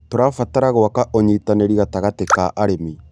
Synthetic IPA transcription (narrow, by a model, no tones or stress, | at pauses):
toɾafataɾaɣoakaʔoɲitaneɾiɣataɣatekaʔaɾemi